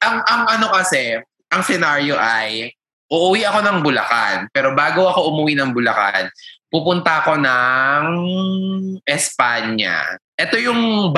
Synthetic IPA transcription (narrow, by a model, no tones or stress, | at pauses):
ʔɐŋɐŋʔɐno̞kɐsɛ | ʔɐŋsɛnaɾjoʔaj | ʔʊʔʊwiʔɐko̞nɐŋbʊlɐ̰ka̰npɛːɾo̞baːɡoɐko̞ʔʊmʊwinɐŋbʊlɐka̰npupʊnt̪ɐɐko̞nɐŋ | ʔɛspaɲːa̰ʔɛt̪o̞jʊŋ